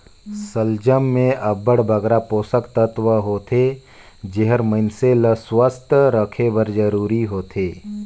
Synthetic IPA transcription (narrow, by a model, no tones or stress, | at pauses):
səld͡ʒəmːẽʔəbəɽbʱəɡɾapoːsəkt̪ət̪ʋəɦoːt̪ʰe | d͡ʒeɦəɾməɪnseləswəst̪ʰəɾəkʰebəɾd͡ʒəɾuːɾiɦoːt̪ʰeː